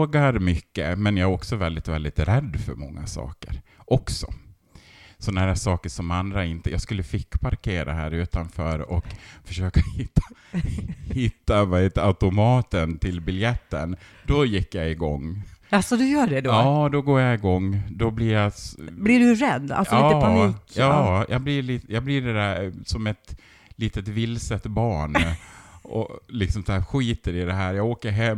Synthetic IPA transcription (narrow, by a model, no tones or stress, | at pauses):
ɡaɾmʏkːə̰mɛnjaæɾɔksɔvɛld̪ɪt̪vɛld̪ɪt̪ɾɛd̪ːfœɾmɔŋːa̰sɑ̰ːkə̰ɾʔɔksɔ̰ | sɔnaæːɾʂɑːkəʂɔmand̪ɾaɪnt̪əjaːɡskɵlːəfɪkːpʰaɾkʰeːɾʔa̰ɦæ̰ːɾʉ̟ːt̪anfœːɾɔkfœʂøːkahɪt̪ːḁ | hɪt̪ːamɛt̪aʉt̪ʊmɑːt̪ənt̪ʰɪlbɪljɛt̪ːə̰n | d̪ɔjɪkːjaɪɡɔŋːasɔd̪ɵjœːɖɛd̪ɑːd̪ɔɡoːɾjaɪɡɔŋːd̪ɔblɪɾjasblɪɖɵɾɛd̪ːa̰lsɑiːaːkɑːjʔɑ̰ɡblɪɭiːt̪jɑːɡblɪɖɛd̪æɾsɔmɛt̪ | liːt̪ət̪vɪlsət̪bɑːɳ | ɔ̰lɪksɔmsæːɾɧiːt̪əɾɪd̪ɛɦæːɾjɑːɡoːkəɾɦɛm